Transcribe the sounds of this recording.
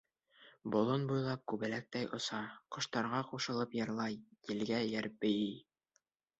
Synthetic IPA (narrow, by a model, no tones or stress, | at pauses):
bŏlˠonbujlˠɑp̚kʉβɘ̆læk̚t̪æjʔŏsɑqŏʃt̪ɑɾʁɑquʃɤ̆lˠɤpjɤ̆ɾlˠɑjɘ̆lɡæjæɾp̚bɘ̆jɘj